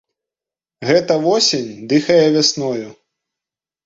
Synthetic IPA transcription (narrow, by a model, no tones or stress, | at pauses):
ɣɛt̪ɐvɔsʲenʲd̪ɨxɐjɛvʲasnɔju